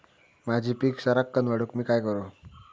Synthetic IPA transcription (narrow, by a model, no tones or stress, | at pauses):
mad͡ʑʱiːpiːksəɾəkːənʋaɽukmiːkajkəɾo